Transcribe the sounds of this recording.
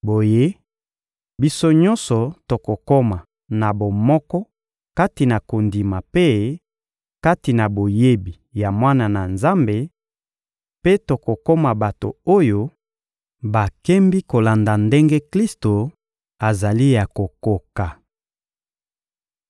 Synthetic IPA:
bo˨je˦ | bi˦so˦ɲɔ̃˦nsɔ˨to˨ko˨ko˦ma˨ | na˨bo˨mɔ˦kɔ˦ | ka˦ti˨na˨ko˨ndi˨ma˨pe˦ | ka˦ti˨na˨bo˨je˦bi˨ja˨mwa˦na˨na˨nza˦mbe˨ | pe˦to˨ko˨ko˦ma˨ba˨to̰˨o˦jo˦ | ba˨kɛ˦mbi˦ko˨la˨nda˨nde˦ŋɡe˦kli˦sto˨ | a˨za˨li˦ja˨ko˨ko˨ka˨

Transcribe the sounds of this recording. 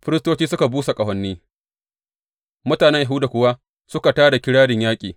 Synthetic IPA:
ɸɪ˦ɾɪ˦stoː˦t͡ʃiː˦sʊ˦ka˨buː˦sa˨kʼɐ˨ɦɐ˦nːiː˦ | mʊ˦taː˨nɛ˦ɲja˨ɦu˦da˨kʷʊ˦wa˦ | sʊ˦ka˨taː˦da˨kʲɪ˦ɽaː˦dɪ˨ɲjaː˦kʲʼiː˨

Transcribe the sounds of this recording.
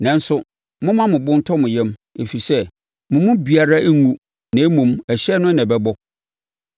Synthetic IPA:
nɛ̃˨n˦sʊ˦ | mʊ̃˦mã˦mʊ̃˨bʊ̃˦n˦tʰɔ˦mʊ̃˨jɛ˦me˨fi˨sɛ˦ | mʊ̃˨mʊ̃˦bi˨a˨ɾa˦ʔe˦ŋũ˦ | nã˨˦mũ˨mæ˨ɕɛ˦nʊ̃˦nɛ̃˨bɛ˦bɔ˦

